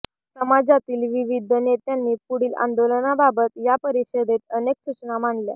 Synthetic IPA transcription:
səmad͡zat̪iːlʋiʋid̪ʱənet̪janːiːpuɽiːlã̰nd̪olənababət̪japəɾiɕəd̪ʱet̪̚ənekɕut͡ɕnamaɳlja̰

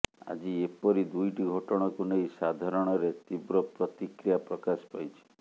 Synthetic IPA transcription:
a̰d͡ʒiepɔɾid̪ujʈiɡʱɔʈɔɽ̃ɔkunejsad̪ʱaɾɔɽ̃ɔɾet̪ibɾɔpɾɔt̪ikɾijapɾɔkaspajt͡ʃʰi̥

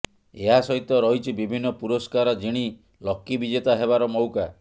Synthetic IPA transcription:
eɦasɔɦit̪ɔɾɔɦit͡ʃʰibibʱinːɔpuɾɔskaɾɔd͡ʒiɽ̃i | lɔkːibid͡ʒet̪aɦeβaɾɔmɔwka

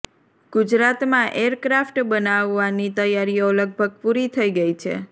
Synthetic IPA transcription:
ɡ̥ud͡ʒɾat̪mãʔeɾkɾafʈbənaʋːanit̪əjaɾioləɡ̚bʱəɡ̚puɾit̪ʰəiɡəit͡ʃʰḛ

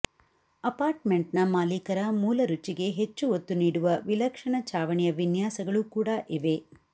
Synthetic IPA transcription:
ɐpaːɾʈme̞ɳʈnɐmaːlikɐɾɐmuːlɐɾut͡ʃiɡe̞ɦet͡ʃːuot̪ːuniːɽuʋɐʋilɐkʂɐɳɐt͡ʃaːʋɐɳijɐʋinjaːsɐɡɐɭukuːɽɐʔiʋe̞

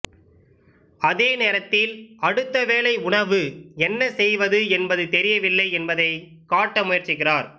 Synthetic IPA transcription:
ɐðeːneːɾɐt̪ːɪlɐɽɯt̪ːɐʋeːlɐɪʊɳɐʋɯɛnːɐsɛjʋɐðɯɛnbɐðɯt̪ɛɾɪjɐʋɪlːɐɪɛnbɐðɐɪ | kaːʈːɐmʊjɐɾt͡ʃɪɣɪraːɾ

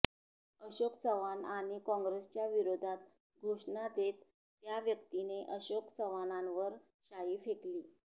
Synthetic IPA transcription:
əɕokt͡səʋanaɽ̃ikɔ̃ŋɡɾest͡ɕjaʋiɾod̪ʱat̪ | ɡʱoʂɳad̪et̪ː | jaʋjəkt̪ineʔəɕokt͡sʰəʋanãnʋəɾ | ɕaiːfekliː

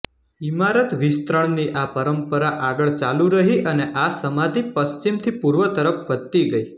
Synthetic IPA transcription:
imaɾət̪ʋist̪ɾəɳniʔapəɾəmpəɾaʔaɡəɭt͡ʃalũɾəɦiʔəneʔasəmad̪ʱipəst͡ʃimt̪ʰipuɾʋət̪əɾəfʋəd̪t̪iɡəi

